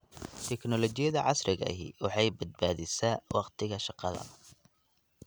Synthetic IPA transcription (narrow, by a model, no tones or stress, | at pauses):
t̪ʰɛknɔlɔt͡ʃɪjɐðɐʕɑsrɪɣɐ̰ɦḭwɑħɑjbɐd̪̚baːðɪsawɑqt̪ʰɪɣɐʃɑqɑðɐ̰